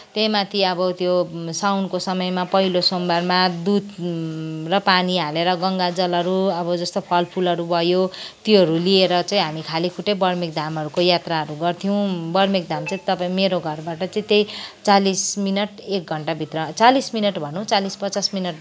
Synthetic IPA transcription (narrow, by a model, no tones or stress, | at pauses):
t̪emat̪ʰiʌbʌt̪josawnkosʌmʌjmapʌɦilosombarmad̪ud̪ | rʌpaniɦaleɾʌɡʌŋɡad͡zʌlʌɾuʌbʌd͡zʌst̪opʰʌlpʰulʌɾubʱʌjot̪joɦʌɾulieɾʌt͡sʌ̃ĩɦamikʰalikʰuʈebʌrmik̚d̪ʱamɦʌɾukojat̪raɦʌɾuɡʌrt̪ʰijow̃bʌrmik̚d̪ʱamt͡sʌĩt̪ʌpaĩmeɾoɡʱʌrbaʈʌt͡sʌ̃ĩt̪ej̃t͡salisminʌʈek̚ɡʱʌɳʈabʱit̪rʌt͡salisminʌʈbʱʌnõw̃t͡salispʌt͡sasminʌʈ